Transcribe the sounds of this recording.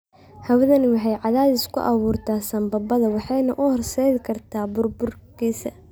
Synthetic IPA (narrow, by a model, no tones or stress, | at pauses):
hɐwðɐnwɑħɑjʕɑðaːðɪskʰʊ̰ʔɑβuːrt̪ʰaːsɐmbɐbɐðɐwɑħɑjnɐʔʊhɔrsɛðɪkʰɐrt̪ʰaːbʊrbʊrkʰiːsɐ